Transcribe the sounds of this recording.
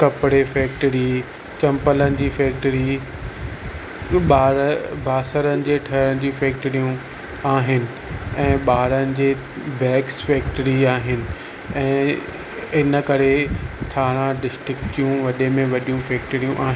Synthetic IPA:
kɐpɪɽefɛːk̚ʈəɾi | t͡ɕɐ̃mpələnɪ̆d͡ʑiːfɛːkʈəɾi | ɓaːɾbʱaːsəɾənɪ̆d͡ʑeːʈʰɐənɪ̆d͡ʑiːfɛːk̚ʈəɾijũ | aːɦɪnɪ̆ | ɛ̃ːɓaːɾənɪ̆d͡ʑeː | bɛːksfɛːkʈəɾiaːɦɪnɪ̆ | ɛ̃ː | ɪnəkɐɾetʰaːɽ̃ãɖɪsʈɾɪkʈijũʋɐɗemẽʋɐɗijũfɛːkʈəɾijũʔa̰ːɦɪ̃nɪ

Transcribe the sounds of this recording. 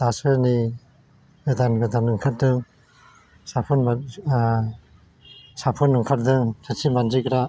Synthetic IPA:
d̥asɯɾni | ɡɯd̪anɡɯdanːɯŋkʰat̚dɯŋ | sapʰunm | sapʰunːɯŋkʰat̚dɯŋsʰɯtsimand͡ʒikɾa

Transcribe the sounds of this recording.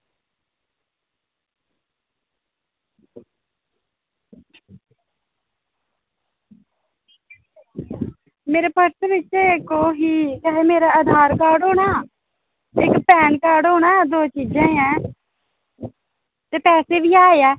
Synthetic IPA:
meːɾeːpəɾsʋɪt͡ʃːekoːɦiːkəɦeːmeːɾaːəd̪ʱaːɾkaːɾɖɦoːɽ̃aː | ɪkpɛːnkaːɾɖɦoːɳaːd̪oːt͡ʃiːd͡ʒãːɛ̃ː | t̪eːpɛːseːbiːaːeɛː

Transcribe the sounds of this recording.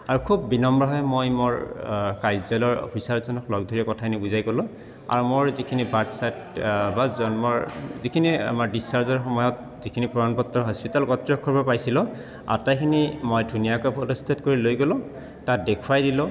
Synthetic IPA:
aɹukʰubːinɔmbɹɔɦɔjmojmoɹkajzɛlɔɹo̰pʰisaɹzɔnɔklɔɡ̚dʱɔɹiɔkɔtʰakʰinibuzajɡɔlʊ̃ | a̰ɹumoɹzikʰinibatsat | bazɔnmɔɹzikʰinia̰maɹdisaɹzɔɹxɔmɔjɔt̚ | zikʰinipɔdanpɔtːɹɔɦɔspitalkɔtɹiɔkʰːɔɹbɔpajsilɔ | a̰tajkʰinimojdʱunijakɔpʰɔlɔst̪ʰatkoɹilojɡɔlɔ | tat̚dekʰuwajdilɔ

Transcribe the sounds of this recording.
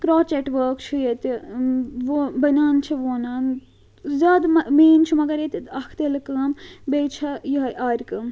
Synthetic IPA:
kɾoːt͡ʃeʈʋəːkt͡ʃʰijet̪iʋobɐnaːnt͡ʃʰiʋoːnaːn | zʲaːd̪mmeːnt͡ʃʰimɐɡɐɾet̪it̪ɐkʰt̪elkɐːmbejt͡ʃʰɐjiɦɐjʔaːɾʲkɨːm

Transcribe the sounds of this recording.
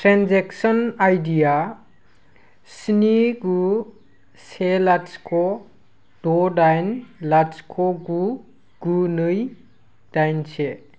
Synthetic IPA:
tɾanzeksɔnajdija | siniɡu | selaskʰɔ | dɔdajnlaskʰɔɡu | ɡunɯj | d̥ajnse

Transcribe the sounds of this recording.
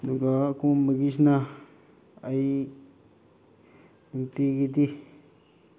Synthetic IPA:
nũkakũmĩkiʃ̬nã | ai | ũt̪ikit̪̬i

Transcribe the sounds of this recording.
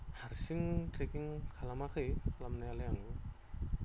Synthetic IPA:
haɾsiŋtɾekiŋkʰalamakʰɯjkʰalamnajalajaŋɡɯ

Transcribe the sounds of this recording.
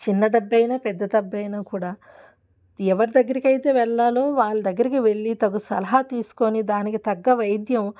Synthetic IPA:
t͡ʃinːɐd̪ɐbːɐjnapɛd̪ːɐd̪ɐbːɐjnaːkuːɽaː | ɛʋɐɾid̪ɐɡːɐɾikɐjd̪jɐʋɛɭːaːlo̞ːʋaːɭːud̪ɐɡːɐɾikiʋe̞ɭːit̪ɐɡusɐ̰lɐɦɐt̪iːsu̥konid̪aːnikit̪ɐɡːɐʋɐjd̪jɐm

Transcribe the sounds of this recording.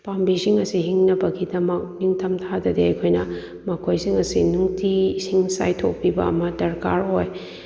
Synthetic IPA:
pambisiŋɐsihiŋnɐbɐɡidɐmɐk̚niŋtʰɐmtʰadɐdeɐjkʰojnɐ | mɐkʰojsiŋɐsinuŋtʰisiŋsa̰jtʰok̚pibɐɐmɐdɐɾkaɾoj

